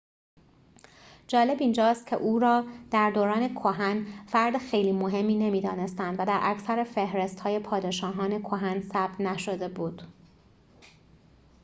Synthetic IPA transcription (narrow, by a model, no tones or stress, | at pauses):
d͡ʒɒːle̞biːnd͡ʒɒːst̪̚cʰe̞̰ʔuːɾɒːd̪̥æɾd̪oːɾɒːne̞kʰoɦænfæɾd̪exe̞jliːmoɦe̞mːiːne̞miːd̪ɒ̰ːne̞st̪ænd̪væd̪æɾʔæcʰsæɾefe̞hɾe̞st̪hɒːje̞pʰɒːd̪eʃɒːɦɒːne̞kʰoɦænsæb̚t̪næʃod̪e̞buːd̪̥